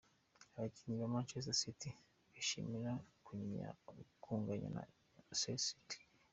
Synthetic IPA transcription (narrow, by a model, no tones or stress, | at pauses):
aβaci̥ɲiβamaːnt͡ʃezasiti | βiʃḭmiɾakuɲɲa̰kʰuːŋɡaɲa̰na̰ | sesiti̥